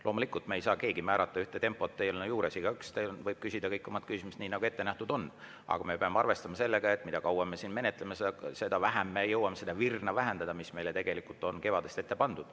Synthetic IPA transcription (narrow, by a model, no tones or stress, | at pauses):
lo̞ːmulikːˑult̪meejsɑːke̞ːɡimæːɾɑt̪ˑːɑyht̪et̪e̞mpːˑo̞t̪ːejolnejuːɾesiɡ̥ɑykst̪envɤjb̥̚kysid̪ɑkɤjkːomɑt̪̚kysimust̪niːnɑɡ̥ue̞t̪ːenæht̪ud̪o̞n | ɑ̰ɡ̥ɑme̞pe̞ɑmːeɑrve̞st̪ɑmɑse̞lːeɡ̥ɑe̞t̪ːˑmid̪ɑkɑwɑmesiːnme̞net̪ːˑlemesed̪ɑse̞d̪̥ɑvæɦæmːejɤwɑmese̞d̪ɑvirnɑvæɦend̪̥ɑd̪ɑmisme̞jlet̪eɡ̥e̞likːult̪ːˑo̞nke̞vɑd̪e̞st̪e̞t̪ːepɑnd̪̥ud̪̥